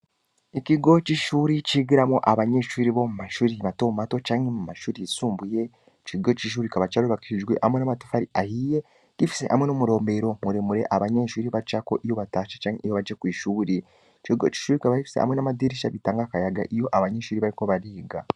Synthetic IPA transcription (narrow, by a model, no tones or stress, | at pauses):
iciɡo̞t͡ʃiʃuːɾit͡ʃiɡiɾamoʔaβaɲeːʃuɾiβo̞mumaʃuɾiβato̞ːmumato̞t͡ʃaːɲhemumaʃuɾisuːmbuje̞ | t͡ʃiɡo̞t͡ʃiʃ̬uːɾikaβat͡ʃaɾoβakiid͡ʒɡwḛʔamwenamatu̥faɾiʔahije | kifi̥se̞̰ʔamwenomuɾo̞ːmbe̞ɾo̞muɾemuɾe̞ʔaβaɲeːʃuɾiβat͡ʃakoʔijo̞βataːʃḁt͡ʃaːŋeijoβad͡ʒekwiːʃuːɾi | ciɡot͡ʃi̥ʃuːɾikaβahifi̥sea̰mwenamadiɾiʃaβitaːŋɡakajaɡa̰ʔijo̞ʔaβaɲeːʃuːɾiβaɾiko̞βaɾiːɡa